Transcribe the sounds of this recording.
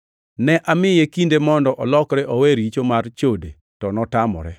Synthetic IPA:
nɛʔamɪjekindemɔndɔʔɔlɔkɾɛʔɔweɾit͡ʃomart͡ʃode | tɔnɔtamɔ̰ɾɛ

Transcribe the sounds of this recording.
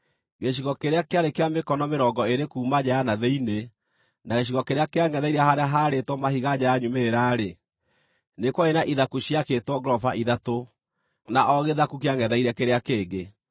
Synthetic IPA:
ɣeɕiɣɔkeɾeakeaɾekeamekɔnɔmeɾɔːɡɔeɾekuːmad͡ʑaanaðeine | naɣeɕ̬iɣɔkeɾeakeaŋɛðaiɾɛhaɾeaɦaɾetwɔmahiɣad͡ʑaaɲumeɾaːɾe | nekwɔenaʔiðakuɕiaketwɔɡɾɔfa̰ʔiðato | naʔɔɣeðakuk̬eaŋɛðaiɾɛkeɾeakeːɡe

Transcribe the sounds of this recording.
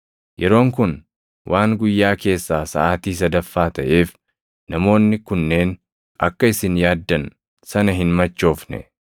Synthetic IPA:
jʔɛɾo̞ːŋkʊn | wʔaːŋɡʊjːaːke̞ːsːaːsɐ̰ʔaːt̪iːs̬ɐd̪ɐfːaːt̪ɐʔe̞ːf | nɐmo̞ːnːɪkʊnːe̞ːn | ʔɐ̰kːɐɪsɪnjaːd̪ːɐn | sɐnɐɦɪnmɐt͡ʃːo̞ːfnɛ̰

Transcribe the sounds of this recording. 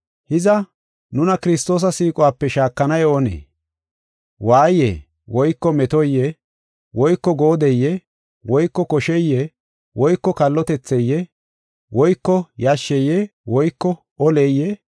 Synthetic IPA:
hɪzɐ | nʊnɐkɪɾɪst̪o̞ːs̬ɐsiːkʼɔwaːpːɛʃaːkːɐnɐjonḛː | waːjːḛː | wɔjkːɔmɛt̪ɔjːɛ | wɔjkːɔɡoːd̪ɛjːɛ | wɔjkːɔkɔʃɛjːɛ | wɔjkːɔkɐlːɔt̪ɛt͡sːɛjːɛ | wɔjkːɔjɐʃːɛjɛwɔjkːɔ | ɔlɛjːɛ

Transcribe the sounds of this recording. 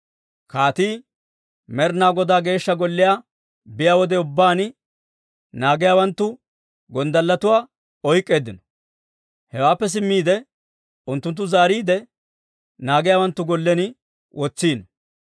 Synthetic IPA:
kaːt̪iː | mɛɾnaːɡɔd̪aːɡe̞ːʃːɐɡɔlːɪjaː | bɪjaːwɔd̪ɛʊbːaːn | naːɡɪjaːwɐnt̪ːʊ | ɡɔnd̪ɐlːɐt̪ʊwaː | ɔjkʼːe̞ːd̪ɪnɔ̥ | hɛwaːpːɛs̬ɪmːiːd̪ɛ | ʊnt̪ːʊnt̪̬ːʊzaːɾiːd̪ɛ | naːɡɪjaːwɐnt̪ːʊɡɔlːɛnɪ | wʔɔt͡sːiːnɔ

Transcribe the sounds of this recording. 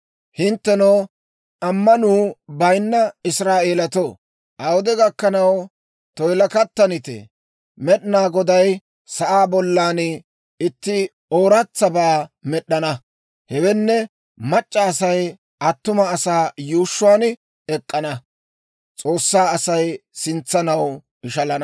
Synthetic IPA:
hɪnt̪ːɛnoː | ʔɐmːɐnuːbɐjnːɐɪsɾaːʔe̞ːlɐt̪o | ʔɐwʊd̪ɛɡɐkːɐnɐw | t̪ɔjlɐkɐt̪ːɐnɪt̪ɛ̰ | mɛɗɪnaːɡɔd̪ɐj | sɐʔaːbɔlːaːnɪ | ɪt̪ːɪ | oːɾɐt͡sːɐbaːmɛɗːɐnɐ | hɛwɛnːɛ | mɐt͡ʃʼːɐːsɐj | ɐt̪ːʊmɐːsaːjuːʃːʊwaːn | ɛkʼːɐnɐ | t͡sʼo̞ːsːaːɐsɐjsɪnt͡sːɐnɐw | ɪʃɐlɐnɐ

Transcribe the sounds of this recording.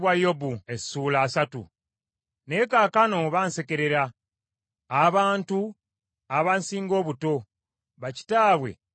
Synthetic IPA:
βwajobuesuːlaːsatṵ | ne̞ːkaːkano̞βaːnse̞ke̞ɾe̞ɾaː | βaːntu | aβansiːŋɡo̞ːβuto̞ | βaci̥taːβwe̞̰

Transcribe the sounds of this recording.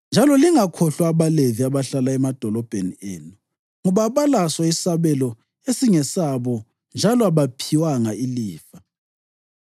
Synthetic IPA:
nd͡ʒʱalɔliŋakʰɔɬwaːβaleviaβaɬalaɛmad̥ʱɔlɔb̥ʱenieːnu | ŋuβaβalaswaisaβɛlɔ | esiŋɛsaβɔ | nd͡ʒʱalɔaβapʰiwaŋailiːfa

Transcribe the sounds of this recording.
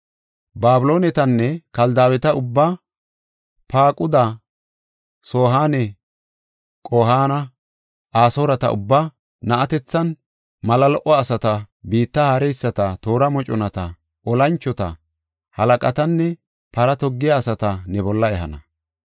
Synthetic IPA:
baːbɪlo̞ːnɛt̪ɐnːɛkɐld̪aːbwɛt̪ɐʊbːa | paːkʼʊd̪ɐ | soːɦaːnɛ | kʼoːɦaːnɐ | ʔaːsoːɾɐt̪ɐ̰ʔʊ̰bːa | nɐʔɐt̪ɛt͡sːɐn | mɐlɐlɔʔɔːsɐt̪ɐ | biːt̪ːɐhaɾɛjsːɐt̪ɐt̪o̞ːɾɐmɔt͡ʃʼɔnɐt̪ɐ | ɔlɐnt͡ʃːɔt̪ɐ | hɐlɐkʼɐt̪ɐnːɛ | pɐɾɐt̪ɔɡːɪjaːsɐt̪ɐnɛbɔlːɐɛɦɐnɐ

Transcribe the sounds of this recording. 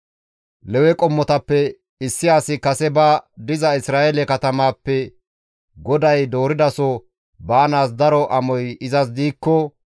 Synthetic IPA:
lɛwɛkʼɔmːɔt̪ɐpːɛ | ɪsːɪaːsɪkɐsɛbaːd̪ɪzɐɪsɾaːʔɛlɛkɐt̪ɐmaːpːɛ | ɡɔd̪ɐjd̪o̞ːɾɪd̪ɐsɔ | bɐːnaːs̬d̪ɐɾɔʔɐmɔjɪzɐs̬d̪iːkːɔ

